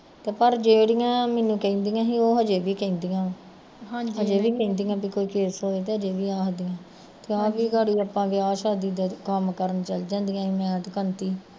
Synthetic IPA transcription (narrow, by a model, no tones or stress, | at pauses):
t̪eːpəɾd͡ʒeːɽɪjãːmɛːnũːkɛĩːnd̪iːãːɦiːoːɦəd͡ʒeːʋiːkɛ̃ːnd̪ijãː | ɦãd͡ʒɦəd͡ʒeːʋiːkɛ̃ːnd̪ijãːbiːkoːiːkeːsɦoːeːt̪eːɦəd͡ʒeːʋiːaːɦd̪ɪjãː | t̪eːaːʋiːɡəɽiːəpːãːʋiaːʃaːd̪iːd̪aːkəmkəɾənt͡ʃəld͡ʒãːnd̪ijãːiːmɛ̃ːt̪kənt̪iː